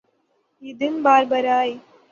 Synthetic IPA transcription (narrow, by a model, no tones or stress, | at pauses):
ɪd̪ɯnbaːɾbɐɾaːj